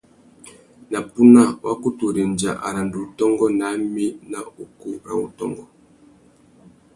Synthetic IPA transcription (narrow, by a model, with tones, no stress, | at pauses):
na˨pu˦na˦˨wʔa˦ku˦tu˨ɾi˨n˨d͡ʒa̰˨ʔa̰˨ɾa˨ndu˨tɔ˦ŋɡɔ˦na˨˦mi˦na˦u˨ku˦ɾa˨ṵ˨tɔ̰˦ŋɡɔ˦